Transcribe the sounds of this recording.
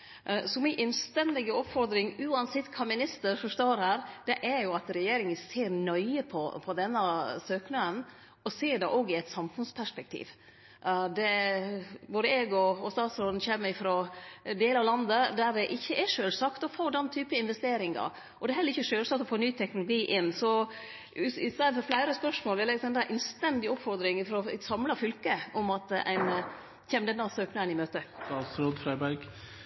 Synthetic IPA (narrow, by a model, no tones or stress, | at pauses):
sɔmɪʔɛnst̪ɛnd̪ɪɡəɔpfɔɾd̪ɾɪŋʉːɑnsɛt̪ːkʰɑmɪnɪst̪əɾfɔʂt̪oːɾhæːɾd̪ɛʔæɾjʊɑt̪ɾɛjeːɾɪŋənseːɾnœʏəpʰɔpʰɔd̪ɛnːəsøːknəən | ɔseːɖɛʔoːɡɪɛɪt̪sɑmfʉnspʰæʂpɛk̚t̪ʰḭːʋ | d̪ɛ | boːd̪əɛɡɔɔst̪ɑːt̪sɾɔːd̪n̩çɛːmːəɪfɾoːd̪eːlɑʋlɑnd̪əd̪æɾdɛʔɪçːəʔɛʂøːlsɑkt̪ɔfoːd̪ɛnːt̪ʰyːpəɪnʋɛst̪eːɾɪŋɑ̰ɾ | ʔɔd̪ɛɦɛlːəɾɪçːəʂøːlsɑːk̚t̪ɔfoːnyːt̪ʰɛknʊlʊɡiːʔɪnːsɔ | ɪst̪eːɾd̪fɔɾflæɪɾəspœʂmoːlʋɪlɛɡsd̪ɛnd̪æɾʔɪnst̪ɛnd̪ɪʊpfɔɾd̪ɾɪŋəfɾɔsɑmlɑfʏlkəʔʊmɑt̪æ̰ɪn | çɛːmd̪ɛnːɑsøːknɑənɪmøːt̪ət̪ɑːlsɾoːd̪fɾæɪbæɾɡ